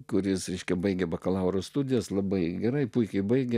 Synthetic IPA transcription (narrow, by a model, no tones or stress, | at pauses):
kʊɾʲɪsɾʲɛɪʃʲkʲɛbɐɪɡʲɛbɐkɐlˠɐʊɾoːst̪ud̪ʲɪjoslˠɐbɐɪɡʲɛɾɐɪpʊɪkʲɛɪbɐɪɡʲɛ